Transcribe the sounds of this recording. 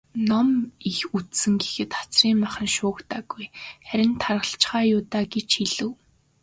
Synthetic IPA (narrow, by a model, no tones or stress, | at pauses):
nɔmixut̪sɘ̆ŋɡexɘ̆t̪χḁt͡sriːmmaχə̆nʃʊːkt̪aːɡujχæɾʲɪ̆nt̪ʰarʁə̆ɬt͡ɕχaːjʊːt̪aːɡet͡ɕxiɮɘ̆w